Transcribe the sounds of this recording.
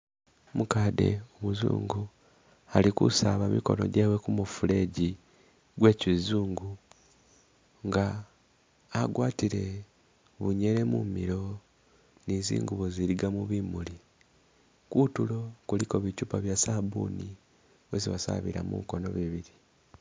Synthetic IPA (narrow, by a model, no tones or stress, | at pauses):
mukaːde̞̰oβuzṵːŋɡu | alikṵsaβamiko̞no̞̰ɟewekumufule̞ːɟi | ɡwe̞cizuːŋɡu | ŋɡaː | ɡwaːtiɾe̞ | βuɲe̞ɾe̞mumiɾo̞ | nizḭːŋɡuβoziɾiɡamuβimuli | kutulo̞kuliko̞βicupaβjasabṵni | weziβasa̰βḭɾa̰mṵko̞no̞̰βiβiɾi